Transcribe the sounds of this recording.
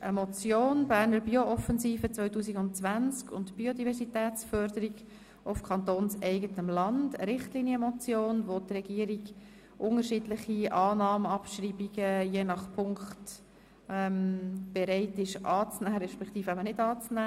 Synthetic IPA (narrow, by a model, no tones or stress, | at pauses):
ʔəmɔt͡sjoːnbæːɾnəɾbioʔɔfɛnziːfət͡svœʏtuːsiɡʊntt͡sʋænt͡skʊ̰ntb̥iodivɛrsitɛːt͡sfœɾdəɾiɡ | ʔʊfkʰɑnt̪oːnsɛɪɡətəmlɑnd̥ə̰ɾɪχtliːniəmɔt͡sjoːnʋotrɛɡ̥iːəɾiɡ | ʔʊŋəɾʃiːdlɪχiʔɑːnɑːməɑpʃɾiːbiɡ̥əjeːnɑχpʰʊŋkχt | ɛmb̥ɛɾɛɪtɪʃʔɑːt͡snæːɾɛʃpɛkt̪iːfæbənɪdɑːt͡snæ